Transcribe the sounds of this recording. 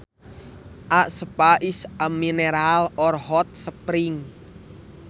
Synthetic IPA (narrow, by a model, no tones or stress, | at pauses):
ʔaʔsəpaʔisamːineɾalɔrhɔt̪̚səpɾɪŋ